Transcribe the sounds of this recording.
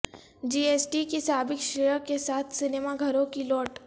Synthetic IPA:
d͡ʒiːesʈikisaːbɪkʃejəkesaːt̪ʰsɪnemaɡʱɐɾõkilɔːʈ

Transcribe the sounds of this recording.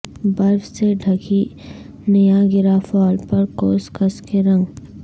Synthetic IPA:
bɐɾfseɖʱɐki | nɐjaɡɪɾafɔːlpɐɾkoːskɐskeɾɐ̃ŋɡ

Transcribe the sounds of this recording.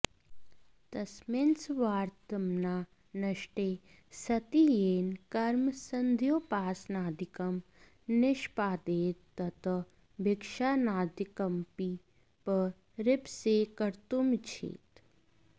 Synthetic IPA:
t̪ɐsmensʋaːɾt̪ɐmnaː | nɐʃʈeː | sɐt̪ijeːnkɐɾmsɐnd̪ʱjoːpaːsnaːd̪ɪkɐm | nɪʃpaːd̪eːt̪ːɐt̪ʰɐ | bɪkʃaːnaːd̪ɪkɐmpi | pə | ɾɪpsekɐɾt̪umt͡ʃʰḛːt̪

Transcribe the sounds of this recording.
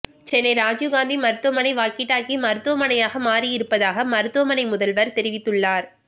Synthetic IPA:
t͡ʃɛnːɐɪɾaːd͡ʒuɡaːnd̪imɐɾɯt̪ːʊʋɐmɐnɐɪʋaːkɪʈːaːkimɐɾɯt̪ːʋɐmɐnɐjaːɣɐmaːɾijɪɾɯpːɐðaːɣɐmɐɾɯt̪ːʊʋɐmɐnɐɪmʊðɐlʋɐɾt̪ɛɾɪʋɪt̪ːɯɭːaːɾ

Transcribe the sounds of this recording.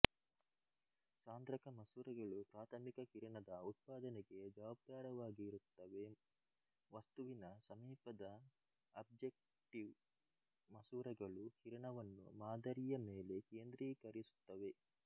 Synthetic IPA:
saːnd̪ɾɐkɐmɐsuːɾɐɡɐɭupɾaːt̪ʰɐmikɐkiɾɐɳɐd̪ɐut̪̚paːd̪ɐnɛɡe̞d͡ʒɐʋab̚d̪aːɾɐʋaːɡiːɾut̪ːɐʋe̞ | ʋɐst̪uʋinɐsɐmiːpɐd̪ɐː | b̚d͡ʒek̚ | ʈiʋ | mɐsuːɾɐɡɐɭukiɾɐɳɐʋɐnːṵmaːd̪ɐɾijɐmeːle̞keːnd̪ɾiːkɐɾisu̥t̪ːɐʋe̞

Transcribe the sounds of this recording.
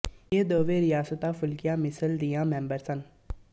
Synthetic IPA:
jeːd̪oːʋeːɾɪjaːsət̪aːfʰʊlkɪjãːmɪsəld̪ijãːmɛ̃ːmbəɾsən

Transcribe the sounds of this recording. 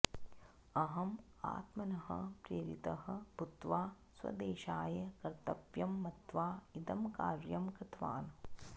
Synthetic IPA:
ɐɦɐm | a̰ːt̪mɐnɐɦɐ̰pɾeːɾḭt̪ɐɦɐ̆but̪ʋaː | swɐ̰d̪eːʃaːjɐkɐɾt̪ɐpjɐmːɐt̪ʋaːid̪ɐmkaːɾjɐmkɾɪt̪ʰʋa̰ːn

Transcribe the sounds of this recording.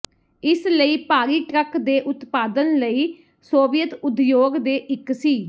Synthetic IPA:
ɪsləiːpaːɾiːʈɾəkd̪eːʔʊt̪paːd̪ənləiː | soːʋɪjət̪ʊd̪joːɡd̪eːʔɪksiː

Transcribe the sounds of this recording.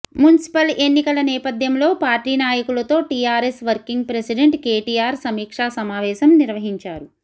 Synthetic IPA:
munisi̥pɐle̞nːikɐlɐnɛːpɐd̪ʱjɐmlo̞ːpaːɾʈiːnaːjɐkulɐt̪o̞ːʈijaːɾesʋɐɾkiŋɡ̚pɾesiɖeɳʈkeːʈiːaːɾsɐmiːkʂaːsɐmaːʋɛːʃɐmniɾʋɐɦiɲt͡ʃaːɾu

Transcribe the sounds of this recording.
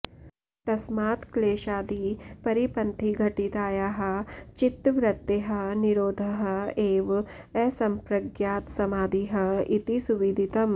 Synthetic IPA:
t̪ɐsmaːt̪kleːʃaːd̪ipɐɾipɐnt̪ʰiɡʱɐʈit̪aːjaːɦɐ̆t͡ʃit̪ʋɾɐt̪ːeɦɐniɾoːd̪ʱɐɦɐeːʋ | ɛːsɐmpɾɐɡjaːt̪sɐmaːd̪ʱiɦɐit̪isuʋid̪ʱit̪ɐm

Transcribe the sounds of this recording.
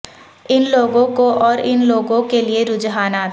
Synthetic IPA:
ɪnloːɡõkoʔɔːɾɪnloːɡõkelieɾʊd͡ʒɦaːnaː

